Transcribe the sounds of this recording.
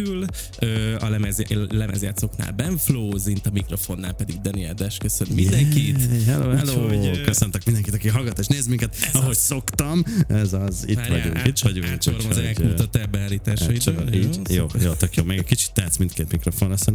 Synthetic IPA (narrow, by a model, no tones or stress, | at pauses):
yl | øːɒlɛmɛzlɛmɛ̰zjaːt̪so̞kna̰ːlbɛɱfloːzint̪ɒmikɾo̞fo̞nːaːlpɛd̪iɡd̪ɛniɛld̪ɛʃkøsønmind̪ɛŋkit̪hɛloːɛloːkøsønt̪øk̚mind̪ɛŋkit̪ɒkiɦɒlɡɒt̪ːoːʃneːzmiŋkɛt̪ɒɦo̞cso̞kt̪ɒmɛzɒzḭt̪ʋɒɟṵŋkiɒɟuoɾozɛkuɔt̪ɛbɛaːliːt̪aːɔḭiːjoːjoːt̪økjoːmeɡɛkit͡ʃi̥t̪ːɛːt̪smint̪keːt̪mikɾo̞fo̞nɑsɛn